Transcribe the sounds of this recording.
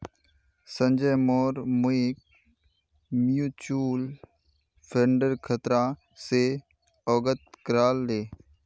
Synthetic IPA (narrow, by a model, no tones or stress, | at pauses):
sə̃nd͡ʒəjmoːɾmʊik̚ | mjuːt͡ʃuːl | pʰeɳɖəɾkʰət̪ɾã | se | ɔːɡət̪̚kɾaːlːeː